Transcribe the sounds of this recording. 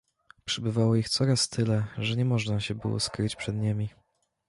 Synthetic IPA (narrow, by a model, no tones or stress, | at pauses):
pʂɘbɘvawɔixt̪sɔɾast̪ʰɘlɛʐɛɲɛmɔʐnaɕɛbɘ̰wɔ̰skɾɘt͡ɕpʂɛd̪ɲemʲi